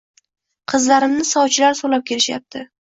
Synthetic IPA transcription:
qʰɨzlaɾɪmnɪsɒwt͡ʃʰɪlaɾsolap̚kʲʰe̞ɾɪʃja̰p̚t̪ʰɪ

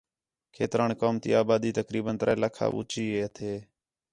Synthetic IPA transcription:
kʰeːt̪ɾaːnkoːmt̪ḭːaːbaːd̪iːt̪əkɾiːbənt̪əɾaːlaːkʰa̰ːʔṵːt͡ʃiːɦeːət̪ʰeː

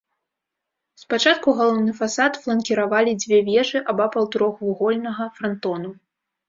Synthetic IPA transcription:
spat͡ʂat̪̚kuɣalˠɔwnɨfasat̪flˠɐnkʲiɾavalʲid͡zʲvʲɛvʲɛʐɨʔɐbapɐwt̪uɾɔxvuɣɔlʲnɐɣɐfɾant̪ɔnu

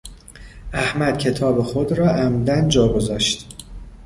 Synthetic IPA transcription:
ʔæhmæd̪̥̚cʲʰe̞t̪ʰɒːbexod̪ɾɒːʔæmd̪ænd͡ʒɒːɡo̞zɒːʃt̪

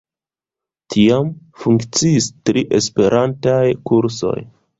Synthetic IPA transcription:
tʰiam | fuŋkt͡siːstɾiʔe̞spe̞ɾʔantajkuɾso̞̰j

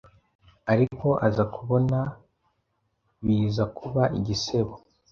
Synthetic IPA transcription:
aɾiko̞ʔazakʰuβo̞na | βiːzakuβaʔiɟise̞βo

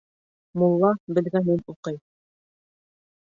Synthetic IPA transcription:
mulˠːɑbɘ̆lɡænɘnuqɤj

